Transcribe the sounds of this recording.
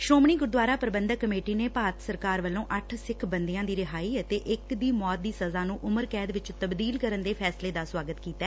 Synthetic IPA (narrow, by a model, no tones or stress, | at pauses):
ʃɾoːmɳiːɡʊɾd̪ʋaːɾaːpəɾəbənd̪əkːəmeːʈiːneːpaːt̪səɾkaːɾʋəlːõːʔəʈʰsɪkʰbənd̪ejãːd̪iːɾɪɦaːiːət̪eːʔɪkd̪iːmɔːt̪̚d̪iːsəzaːnũːʔʊməɾkɛːd̪ʋɪt͡ʃt̪əbd̪iːlkəɾənd̪eːpʰɛːsleːd̪aːswaːɡət̪kiːt̪ɛː